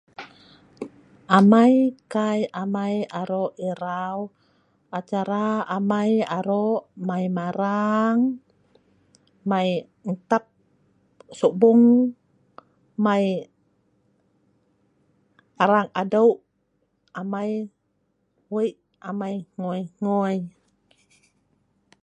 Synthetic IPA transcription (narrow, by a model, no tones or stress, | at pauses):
amajkajamajaɾoʔiɾaw | at͡ʃaɾaːmajaɾoʔmajmaɾaŋ | maj | nt̪ap̚ | subuŋ | maj | aɾaŋadawʔ | amaj | wiʔ | amajŋɔjŋoj